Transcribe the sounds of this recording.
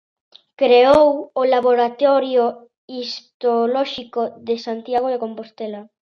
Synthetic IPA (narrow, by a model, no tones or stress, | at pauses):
kɾeowolaβoɾat̪ɔɾjo | istt̪olɔʃikoðesant̪jaɣ̞oðakompost̪ela